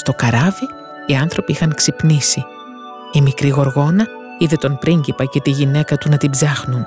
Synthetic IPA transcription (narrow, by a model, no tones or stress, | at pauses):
st̪o̞kɐɾɐviː | ɐnθɾo̞piixɐŋksipnisi | imikɾiɣo̞ɾɣo̞nɐ | iðe̞t̪o̞npɾiɲɟipɐce̞t̪iʝine̞kɐt̪unɐt̪ibzɐxnun